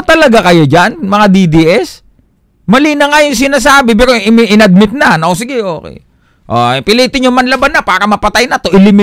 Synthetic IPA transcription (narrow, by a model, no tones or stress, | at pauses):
t̪ɐlɐɡakɐjod͡ʒanmɐŋad̪id̪iʔɛs | mɐlinɐŋajʊŋs̬ɪnaːsaːbɪp̬ɛːɾoʔɪmɪʔɪnɐd̪̚mɪt̪̚nɐnʔos̬ɪɡɛʔo̞ːkɛ̰j | ʔopɪliːt̪ɪɲjʊŋmɐnlɐbanːɐpaːɾɐmɐpɐt̪ajnɐt̪o̞ʔɪlɪmɪ